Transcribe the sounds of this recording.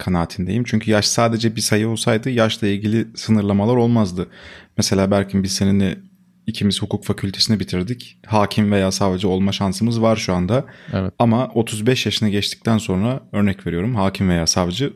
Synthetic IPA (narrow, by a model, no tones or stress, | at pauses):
kʰanaːt̪ʰind̪e̞jimt͡ʃʰyɲcʰyjaʃsaːd̪e̞d͡ʒɛbisajɯo̞lˠsajd̪ɯjaʃlˠailʲɟilʲisɯnɯɾlˠamalˠaɾo̞lˠmazd̪ɯmese̞lʲaːbæɾʲcʰimbizseninɛ | icʰimiz̥hukuːkfacʰylʲt̪ʰe̞sinɛbit̪ʰiɾd̪ichaːcʰimve̞jaːsaːvd͡ʒɛo̞lˠmaʃansɯmɯzvaɾʃuand̪aɛamao̞t̪ʰuzbɛʃjaʃɯnaɟɛt͡ʃt̪ʰi̥c̚t̪ʰænso̞nɾaø̞ɾnɛcve̞ɾijo̞ɾumɦaːcʰimve̞jaːsaːvd͡ʒɯ